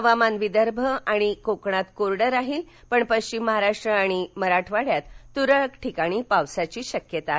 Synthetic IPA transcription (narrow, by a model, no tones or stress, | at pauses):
əʋamanʋid̪əɾbʱəaɽ̃ikokɳat̪koɾɽəɾaɦiːl | pəɳpəɕt͡ɕimːəɦaɾaʂʈɾəaɽ̃iməɾaʈʰʋaɽ̤jat̪ːuɾəkʈʰikaɽ̃iːpawsat͡ɕiːɕəkjət̪a